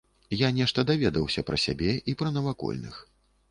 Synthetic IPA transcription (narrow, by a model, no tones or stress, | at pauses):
janʲɛʂt̪ɐd̪avʲɛd̪ɐwsʲɐpɾɐsʲa̰bʲɛʔipɾɐnɐvakɔ̰lʲnɨ̰x